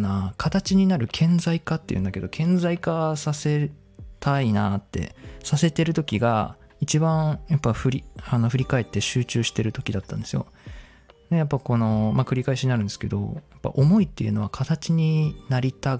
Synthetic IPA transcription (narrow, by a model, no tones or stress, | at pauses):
nakʰat̪at͡ɕiɲ̟inaɾɯ̟kʰẽ̞nd͡zaikat̪ːe̞jɯ̟nd̪ake̞d̪o̞kʰẽ̞nd͡zaikasase̞ | t̪ainat̪ːe̞̰sase̞t̪e̞ɾɯ̟t̪o̞kʲiɡa̰ | it͡ɕibãɰjapːaɸɯ̟ɾʲiano̞ɸɯ̟ɾʲikae̞t̪ːe̞ɕɨːt͡ɕɨːɕi̥t̪e̞ɾɯ̟t̪o̞kʲid̪at̪ːãnd̪e̞sɨjo̞̰ | d̪ejapːako̞no̞makɯ̟ɾʲikaeɕiɲinaɾɯ̟ne̞sɨ̥ke̞̰d̪o̞̰japːa̰ʔomo̞it̪ːe̞̰jɯ̟no̞βakʰat̪at͡ɕiɲ̟inaɾʲit̪a